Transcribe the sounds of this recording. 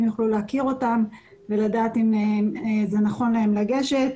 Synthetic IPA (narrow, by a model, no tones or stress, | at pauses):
mjuχluleakiʁo̞tam | ve̞ladaːt̪im | zenaχo̞nlae̞mlaɡe̞ʃe̞t̚